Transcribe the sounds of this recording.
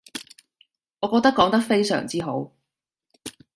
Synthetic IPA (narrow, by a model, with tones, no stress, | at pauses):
ŋɔː˨˧kɔː˧k̚t̪ɐ˥kːɔː˨˥ŋt̪ɐ˥k̚fe˥jsœ̰ː˨˩ŋt͡siː˥ɦo˨˥w